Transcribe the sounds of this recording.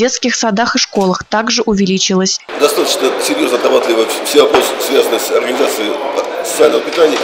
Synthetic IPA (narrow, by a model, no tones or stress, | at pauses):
e̞t̪skʲɪxsɐd̪axɨʂko̞lˠəxt̪aɡʐɨʔʊvʲɪlʲit͡ɕɪlˠəsʲ | d̪ɐst̪at̪ət͡ɕnəsʲɪɾʲjo̞znəɐt̪ɐbat̪lʲɪvəfsʲɪabossvʲazənəsʲɐrɡənʲɪzat̪sɨɪt̪ | sət̪sɨalʲnəvəpʲɪt̪anʲɪjə